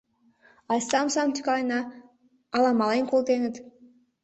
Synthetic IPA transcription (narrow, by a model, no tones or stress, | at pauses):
ɑjsɑmsɑmt̪ʲy̥kɑnɑː | lˠɑmɑlenkolˠt̪enə̆t̪